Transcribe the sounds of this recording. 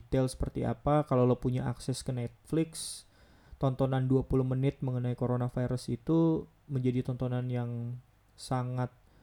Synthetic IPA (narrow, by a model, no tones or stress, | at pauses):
t̪ɛlsə̥pərt̪ia̰pakalalopuɲaʔa̰ksɛskənɛt̪̚flɪks | t̪ɔnt̪onanduapulʊhmənɪt̪̚məŋənaikoɾonafaiɾəsit̪u | məɲd͡ʒadit̪ɔnt̪onanjaŋ | saŋat̪̚